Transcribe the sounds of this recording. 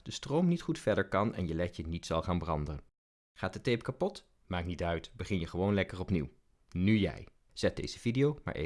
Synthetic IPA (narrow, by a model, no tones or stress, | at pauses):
d̥əstrowmnitχutfɛɹdəɹkɑnɛ̰njəlɛjjənitsɑlˠχaːnbrɑndəən | χaːtdətejpkapɔt | maːknitœɥtbəχɪnjəχəʋownlɛkərɔpniw | nyjɛ̰j | z̥ɛt̚dḛjz̥əvidijowma̰ɹʔḛ